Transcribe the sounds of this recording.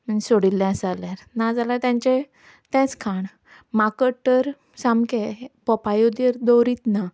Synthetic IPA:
soɽilːɛ̃salaɾnad͡zalaɾt̪jãɲt͡ɕe | t̪ɛ̃t͡skʰaɳ | makəʈːəɾ | samkepɔpajod̪əɾd̪ɔwɾit̪na

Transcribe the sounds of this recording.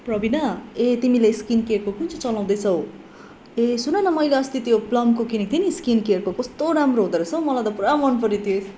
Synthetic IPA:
prʌbinʌet̪imilajskinkerkokunt͡sʰut͡sʌlaw̃d̪ʌjt͡sʰʌw | esunʌnʌmʌjleʌst̪it̪joplʌmkokinik̚t̪ʰiniskinkerkokʌst̪oɾamroɦod̪ʌɾʌt͡sʰʌw̃mʌlajt̪ʌpuɾamʌnpʌɾit̪ʰiesʰ

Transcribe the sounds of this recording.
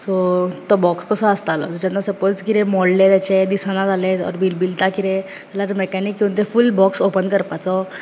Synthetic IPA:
sɔt̪ɔbɔkskəsɔəst̪alɔ̰t̪ud͡ʑanːasəpot͡skiɾẽmɔɽlet̪jat͡ɕed̪isanad͡zaleɔ̰ɾbilbilt̪akiɾe | t̪alaɾmɛkanikːiwũnt̪̬efulbɔksopənkəɾpat͡sɔ

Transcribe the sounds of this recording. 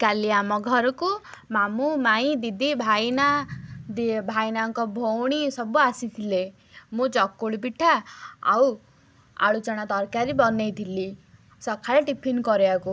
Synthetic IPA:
kaliamɔɡʱɔɾku | mamumaĩd̪id̪ibʱajnad̪ibʱajnaŋkɔbʱowɽ̃isʌbuasit̪ʰile | mut͡sɔkːoɭpiʈʰːaa̰w | a̰ɭut͡saɽ̃at̪ʌɾkaɾibʌnejt̪ʰili | sʌkʰːaɭaʈipʰinkɔɾjaku

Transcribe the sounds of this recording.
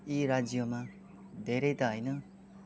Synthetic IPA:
iɾad͡zjoma | d̪ʱeɾʌjt̪ʌɦʌjnʌ

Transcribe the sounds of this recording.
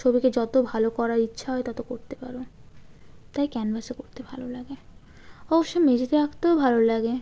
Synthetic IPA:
t͡ʃʰobiked͡ʑɔt̪obʱalokɔɾaɾitːʃʰaɦɔet̪ɔt̪okoɾt̪epa̰ɾo | t̪ajkɛnbʱasekoɾt̪ebʱalolaɡe | ɔboʃːomed͡ʑet̪eakt̪eobʱalolaɡe

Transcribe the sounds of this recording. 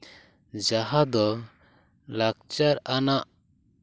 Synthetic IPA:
d͡ʒaɦad̪ɔ | lakt͡ʃaɾanaʔ

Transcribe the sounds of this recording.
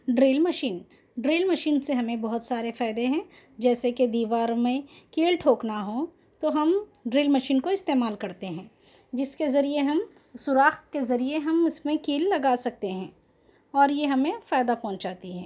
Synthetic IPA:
ɖɾeːlmɐʃiːn | ɖɾeːlmɐʃiːnseɦɐmẽbɐɦʊt̪saːɾefaːɪd̪eɦɛ̃ː | d͡ʒɛːseked̪iːʋaːɾmẽkiːlʈʰoːknaɦo | t̪oɦɐmɖɾeːlmɐʃiːnkoɪst̪eːmaːlkɐɾt̪eɦɛ̃ː | d͡ʒɪskezɐɾieɦɐm | sʊɾaːxt̪̚kezɐɾieɦɐmɪsmẽkiːlːɐɡaːsɐk̚t̪eɦɛ̃ː | ɔːɾjeɦɐmẽfaːjd̪apɔ̃ːt͡ʃd͡ʒaːt̪iɦɛ̃ː

